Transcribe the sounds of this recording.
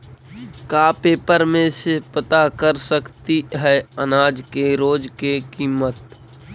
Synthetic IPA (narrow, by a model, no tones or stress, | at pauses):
kaːpeːpəɾmẽsepət̪akəɾsəkt̪iɦɛːənaːd͡ʒkeɾoːd͡ʒkekiːmət̪̚